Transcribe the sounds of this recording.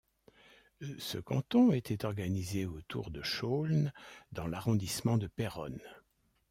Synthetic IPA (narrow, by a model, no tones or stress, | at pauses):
sə̰kɑ̰̃t̪ɔ̃et̪ɛt̪ɔʁɡanizeot̪ʰṵʁd̪əʃolnd̪ɑ̃laʁɔ̃d̪ismɑ̃d̪əpɛʁɔ̰n